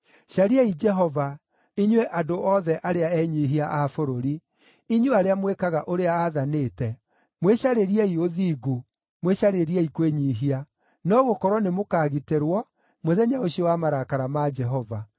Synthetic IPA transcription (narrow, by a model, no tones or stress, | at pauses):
ʃaɾiɛid͡ʒɛɦɔva | iɲweʔadoʔɔðɛʔaɾeaɛɲiɦiaʔafoɾoɾi | iɲuaɾeamwekaɣaʔoɾeaːðaneːtɛ | mweɕaɾeɾiɛioðiɡu | mweɕaɾeɾiɛikweɲiɦia | nɔɣokɔɾwɔnemokaːɣiteɾwɔ | moðɛɲaoɕiowamaɾakaɾamad͡ʒɛɦɔva